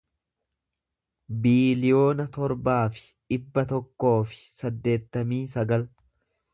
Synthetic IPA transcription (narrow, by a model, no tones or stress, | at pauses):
biːlɪjo̞ːnɐt̪ɔɾbaːfɪ̥ | ᶑɪbːɐt̪ɔkːo̞ːfɪ̥sɐd̪ːe̞ːt̪ːɐmiːsɐɡɐl